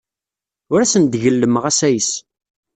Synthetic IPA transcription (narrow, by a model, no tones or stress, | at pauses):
ʊɾæsənd̪ʝəlːəməʁæsæjəs